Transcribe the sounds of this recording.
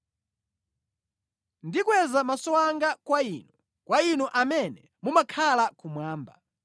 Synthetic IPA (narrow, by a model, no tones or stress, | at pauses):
ndikwɛzamasɔwaŋɡakwaiːnu | kwainuʔamɛnɛ | mumakʰalakumwaːmba̰